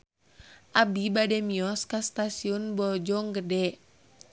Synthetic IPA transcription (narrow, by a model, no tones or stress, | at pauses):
ʔabibadɛmiɔskast̪asiɔnbɔd͡ʒɔŋɡədɛ